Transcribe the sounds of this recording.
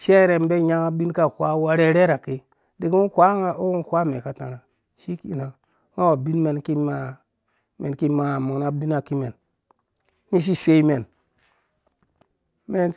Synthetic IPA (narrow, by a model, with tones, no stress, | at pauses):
ʃe˦ɾe˨m˦be˦ɲa˦ŋa˦bi˦nka˦˨kʷa˦wa˦ɾe˦ɾe˦ɾa˨ki˦ | di˨kkʷa˦ŋa˨o˦u˦˨kʷa˦me˨ka˨ta̰˨na˨ | ʃi˦ki˨na˨ | ŋa˦wa˨bi˦nme˨nki˦ma˨ | me˨nki˦ma˨mo˨na˦˨bi˦na˨ki˦me˨n | ni˦ʃ̬i˦se˦i˦me˨n | me˦n